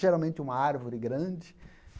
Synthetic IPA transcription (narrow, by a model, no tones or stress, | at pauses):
ʒeɾawmẽntɪũmɐaɾvoɾɪɡɾɐ̃d͡ʒɪk